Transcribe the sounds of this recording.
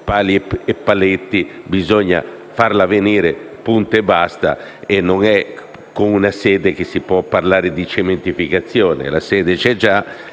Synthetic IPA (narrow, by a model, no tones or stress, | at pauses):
paːliepːalet̪ːibizoɲːa̰farlaveniːɾe | punt̪ɛbːast̪a̰ | enːoŋɛ | koŋunasɛːd̪ek̟esːipwɔpːarlaːɾed̪it͡ʃement̪ifikat̪sːjoːnḛla̰sɛːd̪et͡ʃɛd͡ʒa